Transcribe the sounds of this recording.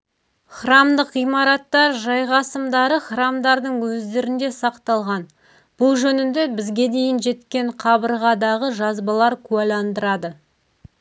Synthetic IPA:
χrɑmd̪əqijmɑɾɑt̪ːɑɾʒɑjʁɑsəmd̪ɑɾəχrɑmd̪ɑɾd̪əɴwɵzd̪e̞ɾɪnd̪e̞sɑqt̪ɑlˠʁɑn | b̥ʊlˠʒɵnɪnd̪e̞bɪzɡʲe̞d̪e̞jɪnʒe̞t̪kʲe̞ɴqʰɑbəɾʁɑd̪ɑʁəʒɑzbɑlˠɑɾkʲʰuælɑnd̪əɾɑd̪ə

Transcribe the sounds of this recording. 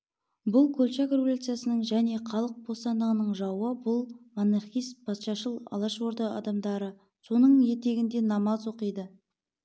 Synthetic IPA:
bʊlˠkʲʰɵlʲt͡ʃakrevolʲut̪sɨjasənəɴʒæne̞qʰɑlˠəq̚bo̞st̪ɑnd̪əʁənəɴʒɑwəbʊlˠmoneχijsbʰɑsʃɑʃəlˠɑ̰lˠɑʃvoɾd̪əɑ̰d̪ɑmd̪ɑɾə | so̞nəɴje̞t̪e̞ɡʲɪnd̪e̞nɑmɑzwo̞qəjd̪ə

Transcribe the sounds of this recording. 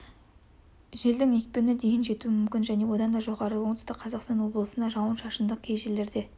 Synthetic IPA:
ʒe̞ld̪ɪŋe̞k̚pɪnɪd̪e̞jɪnʒe̞t̪uɪmʏmkʲɪnʒæne̞wo̞d̪ɑnd̪ɑʒo̞ʁɑɾəwo̞ɴt̪əst̪ɪqʰɑzɑqst̪ɑnwo̞blˠəsənd̪ɑʒɑwənʃɑʃənd̪əq̚kʲʰe̞jʒelːe̞ɾd̪e̞

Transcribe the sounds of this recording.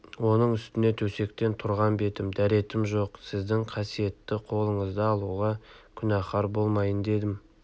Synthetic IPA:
wo̞nəɴʏst̪ɪne̞t̪ʰɵse̞k̚t̪e̞nt̪ʰʊɾʁɑnbe̞t̪ɪmd̪æɾe̞t̪ɪmʒo̞qsɪzd̪ɪŋqʰɑsije̞t̪ːɪqʰo̞lˠəɴəzd̪ɑːlˠuʁɑkʲʰʏnɑχɑɾbo̞lˠmɑjənd̪e̞d̪ɪm

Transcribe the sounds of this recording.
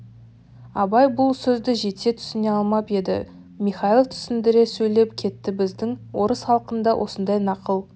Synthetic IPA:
ɑbɑjbʊlˠsɵzd̪ɪʒe̞t̪se̞t̪ʰʏ̥sɪne̞ɑlˠmɑpe̞d̪ɪ̰ | miχɑilˠt̪ʰʏ̥sɪnd̪ɪɾe̞sɵjle̞p̚kʲʰe̞t̪ːɪbɪzd̪ɪŋwo̞ɾəsχɑlˠqənd̪ɑwʔo̞sənd̪ɑjnɑqəlˠ

